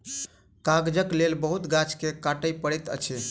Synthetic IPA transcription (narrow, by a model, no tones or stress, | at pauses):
kaɡd͡ʒəklelbəɦut̪ɡat͡ʃʰkekaʈəjpəɽɛt̪ə̰t͡ʃʰe